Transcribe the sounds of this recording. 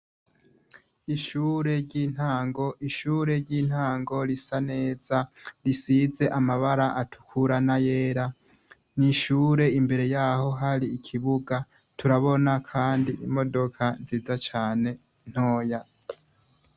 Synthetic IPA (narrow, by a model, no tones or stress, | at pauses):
iʃuːɾe̞ɾɟiːn̥haːŋɡo̞ʔiʃuːɾe̞ɾɟiːn̥haːŋɡo̞ɾisane̞ːzaɾisiːze̞ʔamaβaɾaʔatʰu̥kʰuɾanajeːɾa | niʃuɾe̞imbe̞ɾe̞jaːho̞ɦaɾiːkʰiβuɡa | tʰuɾaβo̞nakʰaːndiʔimo̞do̞kʰaziːzat͡ʃaːne̞ | n̥ho̞ːja